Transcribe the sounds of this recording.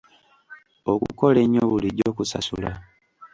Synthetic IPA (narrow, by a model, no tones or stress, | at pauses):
o̞kṵko̞le̞ɲːoβuliɟoːkusa̰sula